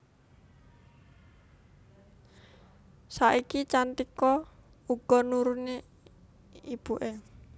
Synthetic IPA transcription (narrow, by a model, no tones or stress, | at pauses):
saʔikit͡ʃant̪ikɔ | uɡ̥ɔnuɾune | ib̥uʔe